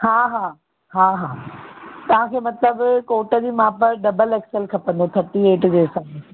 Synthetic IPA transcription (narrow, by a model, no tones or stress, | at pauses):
ɦaːɦaː | ɦaːɦaːt̪ɐʋ̤ãkʰeːmɐt̪ləbkoːʈəd͡ʑiːmãːpɐɾɖɐbəlɛːkselkʰɐpə̃nd̪ot̪ʰɐʈieːʈd͡ʑeːsɐ̃